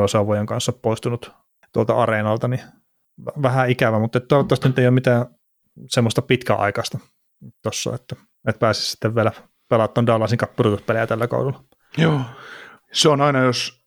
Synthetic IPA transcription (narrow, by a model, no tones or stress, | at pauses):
osɑʋojeŋkɑnsːoppoist̪unut̪ | t̪uolt̪ɑ̰ɑrenɑlt̪ɑni | ʋʋæhæikæʋæmut̪ːet̪t̪uɑʋɑt̪ːˑɑst̪ɑnyt̪ːeioːmit̪æː | semːost̪ɑpit̪kæ̰ʔɑ̰ikɑst̪ɑ | t̪osːɑ̰et̪ːæ | net̪̚pæːsi̥ssi̥t̪ːeʋʋielæ | pelɑt̪ːoːndɑlːˑɑˑsiŋkɑpːurut̪ut̪pelejæt̪ælːæko̰udulːɑ | joː | seonɑinɑjos